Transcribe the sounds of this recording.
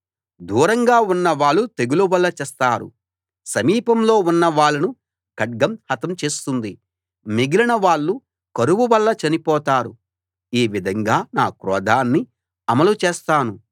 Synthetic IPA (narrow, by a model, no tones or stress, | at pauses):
d̪ʱuːɾɐŋɡaːunːɐʋaːɭːut̪eɡuluʋɐlːɐt͡ʃɛːst̪aːɾṵ | sɐmiːpɐmlo̞ːunːɐʋaːɭːɐnu | kɐɖ̚ɡɐmhɐt̪ɐmt͡ʃe̞ːst̪und̪i | miɡilinɐʋaːɭːu | kɐɾuʋuʋɐlːɐt͡ʃɐnipɔːt̪aːɾu | iːʋid̪ʱɐŋɡaːnaːkɾɔːd̪ʱaːnːi | ɐmɐlut͡ʃeːst̪aːnu